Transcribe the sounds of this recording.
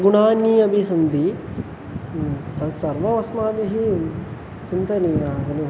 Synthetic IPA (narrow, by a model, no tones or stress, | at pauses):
ɡuɳaːnːiːɐbʱisɐnd̪i | t̪ɐt͡ʃɐɾʋɐʋɐsmaːd̪iɦi | t͡ʃint̪ɐniɐɡ̪ɐni